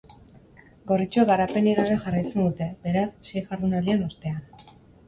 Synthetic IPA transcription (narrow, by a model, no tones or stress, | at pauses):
ɡo̞rit͡ʃueɣaɾape̞niɾarexarajt͡se̞nd̪ut̪e̞be̞ɾassejʝaɾðunald̪ieno̞st̪e̞an